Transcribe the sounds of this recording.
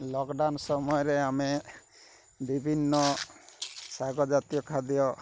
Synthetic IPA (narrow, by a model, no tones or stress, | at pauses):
lɔkɖansɔmɔjɔɾeame | bibʱinːɔ | saɡɔd͡ʒat̪ijɔkʰad̪ijɔ